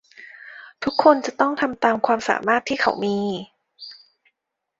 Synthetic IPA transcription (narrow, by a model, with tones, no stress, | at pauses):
t̪ʰu˦˥kʰːo˧nt͡ɕa˨˩t̪ɔ˥˩ŋt̪ʰa˧mt̪aː˧mkʰwaː˧msa̰ː˩˦maː˥˩t̪ʰːiː˥˩kʰa̰˧˩˦wmiː˧